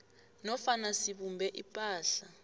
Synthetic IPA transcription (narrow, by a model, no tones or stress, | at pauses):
nɔfanasiɓumbʱɛʔipʼaːɬa